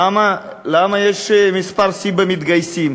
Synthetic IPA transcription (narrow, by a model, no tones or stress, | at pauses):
amalaːmɐjeʂemispaɾsibɐmit̪ɡɐjsim